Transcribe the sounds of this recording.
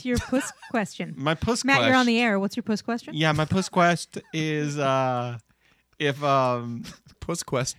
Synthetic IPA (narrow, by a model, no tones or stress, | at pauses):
sjə˞pʰʊskʰw̥ɛst͡ʃɨ̃nmaɪpʰʊsmæɛə˞ə̃nðiɛɹwʌtsjə˞pʰoʊskʰwɛst͡ʃɨ̃njæmaɪpʰʊskʰw̥ɛstɪzʌ | ɪfʌ̃m | pʰʊskʰw̥ɛs